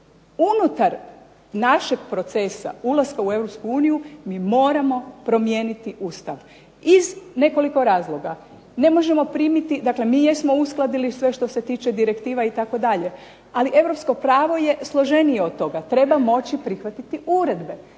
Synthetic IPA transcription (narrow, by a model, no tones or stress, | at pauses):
unut̪aɾ | naʃeɡpɾo̞t̪se̞sa̰ulˠaskaue̞ʋɾo̞pskuuːnijumiːmo̞ːɾamo̞pɾo̞mje̞ːnit̪iʔust̪aʋ | izne̞ko̞liko̞ɾaːzlˠo̞ɡa | ne̞mo̞ʒe̞mo̞pɾiːmit̪id̪akle̞miːjesmo̞usklˠad̪ilisʋe̞ʃt̪o̞se̞t̪iːt͡ʃe̞d̪iɾe̞kt̪iːʋait̪ako̞d̪aʎe̞ | aliʔe̞ʋɾo̞psko̞pɾaːʋo̞je̞slˠo̞ʒe̞nijeod̪̚t̪o̞ɡat̪ɾe̞bamo̞t͡ɕipɾixʋat̪it̪iʔuɾe̞d̪be̞